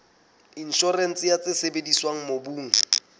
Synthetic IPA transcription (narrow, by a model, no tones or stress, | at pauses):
in̩ʃɔren̩t͡sʼɪjat͡sʼɪsebediswaŋ̩mobuːŋ̩